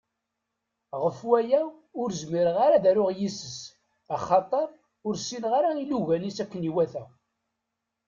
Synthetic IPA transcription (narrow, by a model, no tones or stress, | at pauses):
ʁəfwæjæ | ʊɾzmiɾəʁaɾaðæɾʊʁjisəs | æχɑt̪ˤəɾˤ | ʊɾsinʁaɾailuʝænisækːəniwæθæ